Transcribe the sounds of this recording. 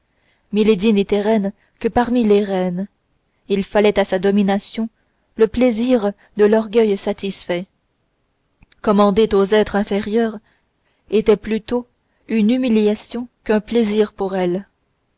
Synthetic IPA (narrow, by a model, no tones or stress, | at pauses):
miled̪inet̪ɛʁɛn | kəpaʁmileʁɛn | ilfalɛt̪asad̪ɔminasjɔ̃ | ləpleziʁ | d̪əlɔʁɡʲœjsat̪isfɛ | kɔmɑ̃d̪et̪ozɛt̪χɛ̃feʁjœːʁ | et̪ɛplyt̪o | ynymiljasjɔ̃kœ̃pleziːʁpuʁɛl